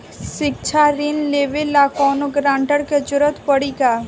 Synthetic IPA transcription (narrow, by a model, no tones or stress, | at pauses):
ʃɪk̚t͡ʃʰaɾɪnleːʋelaːkɔːnoɡɾãːɳʈəɾked͡ʒʊɾət̪pəɽiɡaː